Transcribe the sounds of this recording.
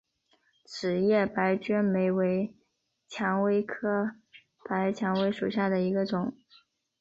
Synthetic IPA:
ʈ͡ʂʰɻ̩˨˩jɛ˥˩pa˧˥ɪt͡ɕɛ˥nme˧˥ɪwe˧˥ɪ | t͡ɕʰjɑ˧˥ŋwe˥ɪkʰɤ˥ | pa˧˥ɪt͡ɕʰjɑ˧˥ŋwe˧˥ɪʂu˨˩ɕja˥˩d̪ə˩i˧˥ɡə˧ʈ͡ʂʊ˨˩˦ŋ

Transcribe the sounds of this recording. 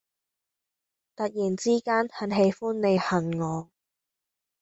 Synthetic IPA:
t̪ɐ˨t̚jiː˨˩nt͡siː˥kaː˥ntʰɐ˨˥nɦe˨˧jfuː˥nːe˨˧jhɐ˨nŋɔː˨˧

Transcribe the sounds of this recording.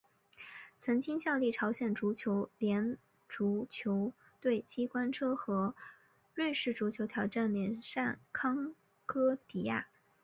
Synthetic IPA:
t͡sʰɤ˧˥ŋt͡ɕi˥ŋɕjɑ˥˧ʊli˥˩ʈ͡ʂʰɑ˧˥ʊɕjɛ˨˩nʈ͡ʂu˧˥t͡ɕʰjo˧˥ʊljɛ˧˥n | ʈ͡ʂu˧˥t͡ɕʰjo˧˥ʊ | t̪we˥˩ɪt͡ɕi˥kwa˥nʈ͡ʂʰɤ˥xɤ˧˥ | ɻwe˥˧ɪʂɻ̩˥˩ʈ͡ʂu˧˥t͡ɕʰjo˧˥ʊt̪ʰjɑ˧˥ʊʈ͡ʂa˥˩nljɛ˧˥nʂa˥˩nkʰɑ˥ŋ | kʰɤ˥t̪i˧˥a̰˥˩

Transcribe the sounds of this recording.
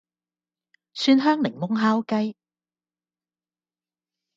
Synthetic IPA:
syː˧nɦœː˥ŋlɪ˨˩ŋmʊ˥ŋɦaː˥wkɐ˥j

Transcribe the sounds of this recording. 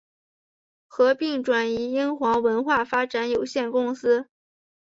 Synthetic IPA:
xɤ˧˥pi˥˩ŋʈ͡ʂwa˨˩ni˧˥i˥ŋxwɑ˧˥ŋwə˧˥nxwa˥˩fa˥ʈ͡ʂa˧˥njo˨˩ʊɕjɛ˥˩nkʊ˥ŋsɹ̩˥

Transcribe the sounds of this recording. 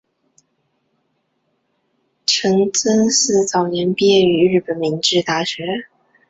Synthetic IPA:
ʈ͡ʂʰɤ˧˥ŋt͡sə˥nsɹ̩˥˩t͡sɑ˨˩ʊnjɛ˧˥npi˥ɛ˥˩y˧˥ɻɻ̩˥˩pə˨˩nmi˧˥ŋʈ͡ʂɻ̩˥˧t̪a˥˩ɕɥɛ˧˥

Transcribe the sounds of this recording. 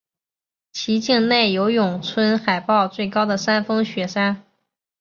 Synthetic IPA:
t͡ɕʰi˧˥t͡ɕi˥˧ŋne˥˩ɪjo˧˥ʊjʊ˨˩ŋt͡sʰwə˥nxa˨˩ɪpɑ˥˧ʊt͡swe˥˩ɪkɑ˥ʊd̪ə˨sa˥nfɤ˥ŋɕɥɛ˨˩ʂa˥n

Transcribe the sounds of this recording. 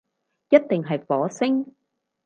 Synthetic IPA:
jɐ˥t̚t̪ɪ˨˩ŋɦɐ˨˩jfɔː˨˥˦sɪ˧ŋ

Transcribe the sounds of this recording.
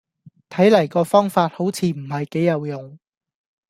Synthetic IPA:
t̪ʰɐ˨˥jlɐ˨˩jkɔː˧fɔː˥ŋfaː˧t̚ho˨˥wt͡sʰiː˧m̩˨˩hɐ˨jke˨˥jɐ˨˧wjʊ˨˩ŋ

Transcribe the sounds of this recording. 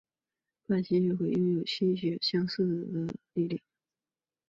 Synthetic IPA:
kwa˥˩nɕʰi˧˥t͡ɕo˥˧xwe˥˩ɪjo˥˧ŋjo˨˩ʊɕi˥ɕ̬ɥɛ˧˥ɕjɑ˥ŋs̩˥˩t͡s̩˨˩d̪ə˦li˥˧li˥˩

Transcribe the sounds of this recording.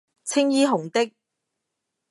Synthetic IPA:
t͡sʰɪ˥ŋjiː˥ɦʊ˨˩ŋt̪ɪ˥k̚

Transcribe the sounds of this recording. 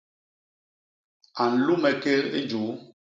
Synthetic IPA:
a˨n̩˨lu˦mɛ˨ke˦lḛ˦d͡ʒu˨˦

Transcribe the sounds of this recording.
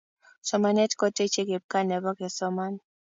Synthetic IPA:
sɔ˨ma˨nɛ˦tkɔ˦te˦t͡ʃe˦ɡe˨b̚ka˦nɛ˨bɔ˦ɡɛ˨sɔ˦ma˦n

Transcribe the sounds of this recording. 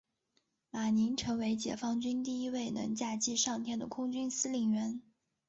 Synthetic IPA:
ma˨˩ni˧˥nʈ͡ʂʰɤ˧˥ŋwe˧˥ɪt͡ɕjɛ̰˨˩fɑ˥ŋt͡ɕy˥nt̪i˥˩i˥we˥˩ɪnə̰˧˥ŋt͡ɕja˥˩t͡ɕi˥˧ʂɑ˥˩ŋt̪ʰjɛ˥nd̪ə˨kʰʊ˥ŋt͡ɕy˥nsɹ̩˥li˨˩ŋɥɛ˧˥n

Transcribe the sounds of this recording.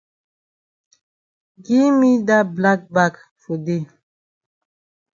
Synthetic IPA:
ɡi˦mi˦da˦bla˦k̚ba˦˨k | fo˨de˦˨

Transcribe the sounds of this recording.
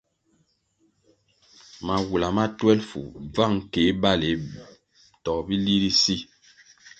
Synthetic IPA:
ma˨wu˨la˨ma˦tɛ˦lfṵ˨b͡va˦˨ŋ˨ke˨˦ba˦˨le˨˦ | tɔ˨kbi˦li˦ɾi˦si˦

